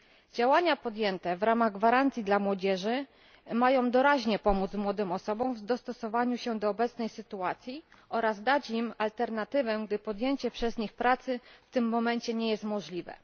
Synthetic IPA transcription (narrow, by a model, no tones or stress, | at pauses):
d͡ʑawaɲapɔd̪ʲjɛnt̪ɛvɾamaɣɡvaɾant̪sʲjid̪lamwɔd͡ʑɛʐɘ | majɔ̃w̃d̪ɔɾaʑɲɛpɔmud̪zmwɔd̪ɘmɔsɔbɔ̃wvd̪ɔst̪ɔsɔvaɲuɕɛd̪ɔːbɛt̪snɛjsɘt̪uat̪sʲji | ɔɾazd̪at͡ɕimalt̪ɛɾnat̪ɘvɛɡd̪ɘpɔd̪ʲjeɲt͡ɕɛpʂɛzɲixpɾat̪sɘft̪ɘmːɔmɛɲt͡ɕɛɲɛjɛst̪mɔʐlʲivɛ̰